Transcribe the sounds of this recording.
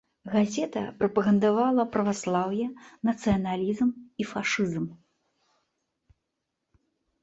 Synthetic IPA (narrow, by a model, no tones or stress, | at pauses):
ɣazʲɛt̪ɐ̰pɾɐpɐɣɐnd̪avalˠɐpɾɐvaslˠawjɛnɐt̪sɨjɐnalʲizmifaʂɨzm